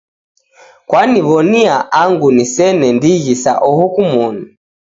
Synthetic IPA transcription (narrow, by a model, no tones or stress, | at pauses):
kwaniβɔniaʔaŋɡunisɛnɛndiɣisa̰ʔɔhukumɔnu